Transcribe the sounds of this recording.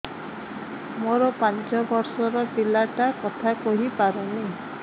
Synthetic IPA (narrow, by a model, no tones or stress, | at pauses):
moɾɔpant͡ʃɔbɔɾsɔɾɔpilaʈakɔt̪ʰakɔɦipaɾuni